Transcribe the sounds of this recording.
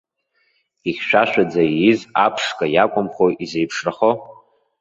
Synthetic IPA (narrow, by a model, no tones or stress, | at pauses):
iχʲʃᶣaʃᶣad͡zaizapʰʂkʼajakʷʼʊmχoizejpʰʂraχo